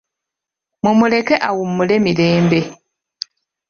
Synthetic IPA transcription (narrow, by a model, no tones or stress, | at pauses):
mumule̞keʔawumːule̞mile̞ːmbe̞